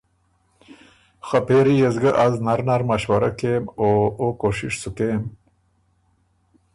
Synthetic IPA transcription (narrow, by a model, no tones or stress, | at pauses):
xapeːɾijezɡaʔaznaɾnaɾmɐʃwɐɾakemookoʂḭʂsukeːm